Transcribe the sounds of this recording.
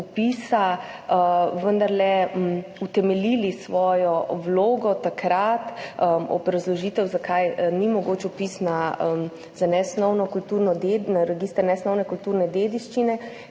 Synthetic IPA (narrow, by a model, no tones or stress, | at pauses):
upiːsa | ʋənd̪aɾlɛmut̪ɛmɛlilisʋɔːjɔwloːɡɔt̪akɾat̪əɔ̰bɾazlɔʒiːt̪ɛwzakajnimɔɡoːt͡ʃupisna | zanɛsnɔwnɔkult̪uːɾnɔd̪enaɾɛɡist̪əɾnɛsnɔwnɛkult̪uːɾnɛd̪eːd̪iʃt͡ʃinɛ